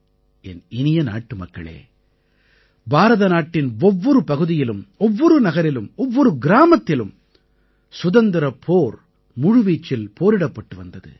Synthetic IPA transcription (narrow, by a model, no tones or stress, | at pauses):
ɛnɪnɪjɐna̰ːʈːɯmɐkːɐ̰ɭḛː | baːɾɐðɐnaːʈːɪnɔʋːɔɾɯpɐɣɯðɪjɪlɯmɔʋːɔɾɯnɐɣɐɾɪlɯmɔʋːɔɾɯɡɪɾaːmɐt̪ːɪlɯm | sʊðɐnd̪ɪɾɐpʰoːɾ | mʊɻʊʋiːt͡ʃːɪlpoːɾɪɽɐpːɐʈːɯʋɐnd̪ɐðɯ̰